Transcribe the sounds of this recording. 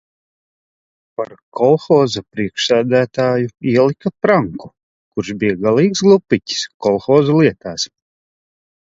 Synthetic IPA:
paɾkɔlˠxɔːzapɾiɛkʃsæːd̪æːt̪aːjuiɛlˠikapɾaŋku̥ | kuɾʃbijaɡalˠiːksɡlˠupːicʲi̥skɔlˠxɔːzɔlˠiɛt̪aːs

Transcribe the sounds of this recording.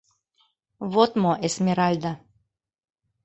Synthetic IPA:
βot̪moʔesmʲeɾalʲd̪a

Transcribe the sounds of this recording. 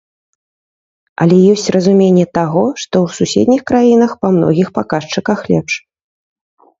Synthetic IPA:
ɐ̰lʲɛjɔsʲt͡sʲrɐzumʲenʲːɛt̪aɣɔʂt̪ɔwsusʲḛd̪ʲnʲixkɾajinɐxpamnɔ̰ɣʲixpakaʂt͡ʂɨkɐxlʲɛpʂ

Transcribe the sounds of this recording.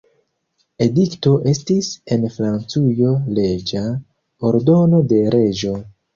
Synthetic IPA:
e̞dikto̞ʔe̞stise̞nfɾant͡sujo̞le̞d͡ʒa | oɾdo̞no̞de̞ɾʔe̞d͡ʒo̞

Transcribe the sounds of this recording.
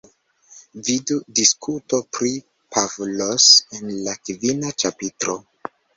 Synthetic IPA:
vidudiskʰuto̞pɾi | pʰavlose̞nlakvinat͡ʃapitɾo̞

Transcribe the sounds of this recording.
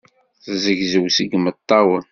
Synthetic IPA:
θzəʝzəwsəɡmət̪ˤːɑwən

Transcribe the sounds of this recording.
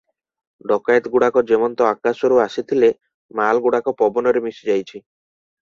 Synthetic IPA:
ɖɔkajt̪ɡuɽakɔd͡ʒemɔnt̪ɔakasɔɾuasit̪ʰile | malɡuɽakɔpɔbɔnɔɾemisid͡ʒajt͡ʃʰi

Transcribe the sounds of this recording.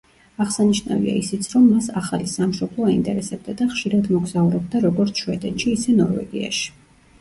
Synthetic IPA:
aʁsaniʃna̰vḭa̰isit̪sʰɾɔmːasaχalisamʃɔblˠɔaint̪ʼɛɾɛsɛb̚d̪ad̪aχʃiɾad̪mɔɡzauɾɛb̚d̪aɾɔɡɔɾt̪sʰʃwɛd̪ɛt̪ʃiːsɛnɔɾvɛ̰ɡḭa̰ʃi̥

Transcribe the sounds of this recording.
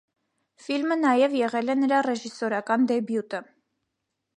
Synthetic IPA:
filmənɑjɛvjɛʁɛlɛnəɾɑrɛʒisɔɾɑkɑnd̪ɛbjut̪ə

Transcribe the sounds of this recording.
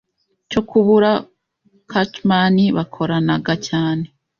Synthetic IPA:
t͡ʃo̞kuβuɾa | kat͡ʃmaniβakʰo̞ɾanaɡacaːne̞

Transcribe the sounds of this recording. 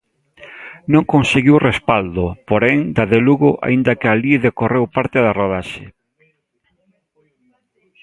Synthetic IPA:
nõŋkõnseɣiwrespald̪opoɾɛŋd̪aðeluɣʊʔa̰ind̪ɐkɪaliðekorewpaɾt̪ɪðaroð̞aʃe

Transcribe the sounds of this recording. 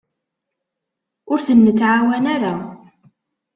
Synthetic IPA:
ʊɾθənːət͡sːʕawænaɾa

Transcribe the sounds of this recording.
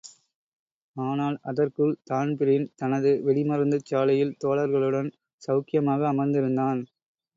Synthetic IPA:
aːnaːlɐðɐrkɯɭt̪aːnpɪɾɐɪnt̪ɐnɐðɯʋɛɽɪmɐɾɐnd̪ɐt͡ʃːaːlɐjɪlt̪oːɭɐɾɣɐɭɯɽɐn | sɐʊkɪjɐmaːɣɐːmɐɾnd̪ɪɾɯnd̪aːn

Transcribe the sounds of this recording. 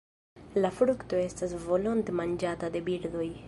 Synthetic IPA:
lafɾukt̪o̞e̞stasvo̞lont̪emand͡ʒatad̪e̞biɾd̪o̞j

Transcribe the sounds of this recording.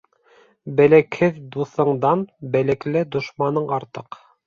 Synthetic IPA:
bælækhɘðd̪uθɤ̆ɴd̪ɑnbælæklɘd̪ŏʃmɑnɤɴɑɾt̪ɤq

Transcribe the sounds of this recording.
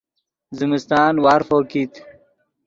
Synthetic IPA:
zimist̪ɑːnwaɾfoːkit̪

